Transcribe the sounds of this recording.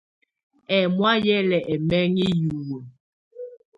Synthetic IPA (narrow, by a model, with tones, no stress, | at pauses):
ɛ˨mwa˦jɛ˦lɛ˨ʔɛ˨mɛ˦ŋi˦ju˨wo˨